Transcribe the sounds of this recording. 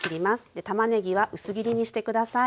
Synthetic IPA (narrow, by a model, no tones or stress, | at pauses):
kʲiɾʲimasɨ̥d̪̥e̞t̪amane̞ɡʲiβaʔɯ̟sɨɡʲiɾʲiɲ̟iɕi̥t̪e̞kɯ̟d̪asa